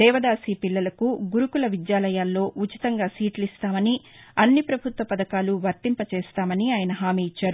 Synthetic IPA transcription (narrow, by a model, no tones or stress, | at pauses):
d̪ɛːʋɐd̪aːsiːpilːɐlɐkuɡuɾukulɐʋid̪jaːlɐjaːlːo̞ːʔut͡ʃi̥t̪ɐŋɡaːsiːʈlist̪aːmɐni | ɐnːipɾɐbʱut̪ʋɐpɐd̪ɐkaːluʋɐɾt̪impɐt͡ʃeːst̪aːmɐniaːjɐnɐɦaːmiːit͡ʃːaːɾu